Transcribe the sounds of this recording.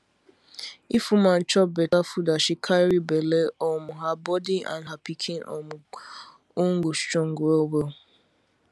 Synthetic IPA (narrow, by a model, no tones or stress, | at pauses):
ifumãn̩t͡ʃɔbetafudaʃɪkʰajɾibeleɔmʊɦabɔdiã̰nɦapikʰinɔ̰mʊ | ʊŋ̩ɡosʊ̥t͡ʃɔŋ̩ɡuowel